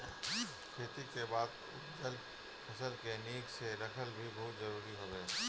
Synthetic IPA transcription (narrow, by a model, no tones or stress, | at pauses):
kʰeːt̪ikebaːd̪ | ʊt̪d̪əl | pʰəsəlkeniːkseɾəkʰəlbʱibɔɦʊt̪zəɾuːɾiɦoːbeː